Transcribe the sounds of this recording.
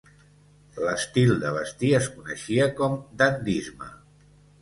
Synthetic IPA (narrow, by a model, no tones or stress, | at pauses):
ləst̪ilˠd̪əβəst̪iəskunəʃiəkɔmd̪and̪izmə̰